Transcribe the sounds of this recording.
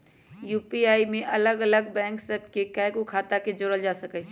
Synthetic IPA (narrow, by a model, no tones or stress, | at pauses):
jupiaimeʔələɡələɡbɛ̃ːŋksəbʱkekajɡukʰat̪aked͡ʒoɾəld͡ʒasəkɛt͡ʃʰ